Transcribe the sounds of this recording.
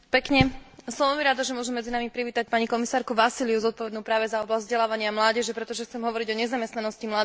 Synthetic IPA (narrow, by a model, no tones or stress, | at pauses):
pɛkɲɛsɔ̃mʋɛlɛlmiɾaːd̪ɔʒɛmʊɔʒɛmːɛd͡zinamipɾiʋiːt̪ac̚paɲikɔmisaːɾkuʋasiliuzɔt̪̚pɔʋɛd̪nuːpɾaːʋɛzaɔblazʲzɟɛlaːʋaɲɪamlaːɟɛʒɛpɾɛt̪ɔʒɛxtt͡sɛmɦɔʋɔɾiɟɔɲɛzamɛst̪nanɔscimlaːd̪